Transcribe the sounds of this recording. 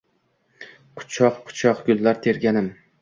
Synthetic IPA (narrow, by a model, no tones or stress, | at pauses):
qʰʊ̥t͡ʃʰɒqqʰʊ̥t͡ʃʰɒqɡʲʊlːaɾt̪ʰe̞ɾɡʲanɪm